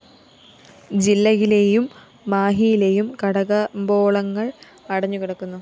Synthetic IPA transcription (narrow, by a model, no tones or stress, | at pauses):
d͡ʑilːɐjile̞jumː | aːɦijileːjumkɐɽɐɣɐmbo̞ːɭɐŋːɐɭ | ɐɽɐɲːukiɽɐkːunːu